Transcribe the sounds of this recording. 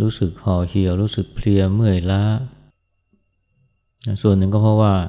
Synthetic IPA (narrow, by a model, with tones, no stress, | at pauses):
ɾuː˦˥sɯ˨˩k̚hɔː˧˩hʰi˧əwɾuː˦˥sɯ˨˩k̚pʰli˧əmɯ˥˩əjla˦˥ | na˦˥su˨˩ənːɯ˨˩ŋk̬ɔː˥˩pʰɔ˦˥waː˥˩